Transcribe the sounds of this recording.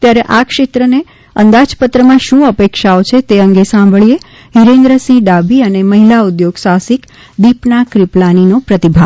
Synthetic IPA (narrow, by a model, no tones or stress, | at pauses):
t̪jaɾeʔakʃet̪ɾəne | ənd̪ad͡ʒpət̪ɾəmãʃũəpekʃaot͡ʃʰet̪eəŋɡesãmbʱəɭije | ɦiɾẽnd̪ɾəsĩɖabʱiəneməɦilaud̪joɡsasik | d̪ipnakɾiplaninopɾət̪ibʱa